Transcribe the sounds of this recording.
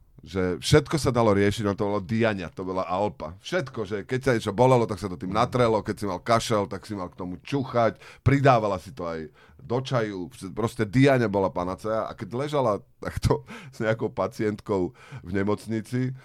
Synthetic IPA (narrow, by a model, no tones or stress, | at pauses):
ʒɛfʃɛt̪kɔsad̪alɔɾɪɛʃiɟaɛnt̪ɔbɔlad̪iaɲat̪ɔbɔlaʔalpa̰fʃɛt̪kɔʒɛkɛcsaɲɛt͡ʃɔbɔlɛlɔt̪aksat̪ɔt̪iːmnat̪ɾɛlɔkɛcsimalkaʃɛlt̪aksimalkt̪ɔmut͡ʃuxacpɾid̪aːʋalasit̪ɔaj | d̪ɔt͡ʃajufpɾɔscɛd̪iaɲɛbɔlapanat͡sɛjaʔa̰kɛɟlɛʒalat̪akt̪ʰɔz̥ɲɛakɔʊpat͡sɪɛnt̪kɔʊ | vɲɛmɔt͡sɲit͡si